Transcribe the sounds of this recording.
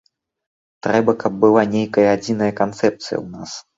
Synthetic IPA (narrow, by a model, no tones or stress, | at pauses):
t̪ɾɛbɐkɐb̚ːɨlˠanʲejkɐjɐad͡zʲinɐjɐkant̪sɛp̚t̪sɨjɐ̰wna̰s